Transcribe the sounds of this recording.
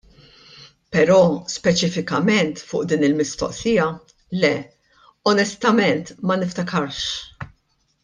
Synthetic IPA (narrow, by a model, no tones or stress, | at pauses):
pɛɾɔːspɛt͡ʃɪfɪkɐmɛnt̪fʊːʔd̪iːnɪlmɪst̪ɔ̰ʔsɪjɐ | lɛ | ɔnɛst̪ɐmɛnt̪mɐnɪft̪ɐkʰɐɾʃ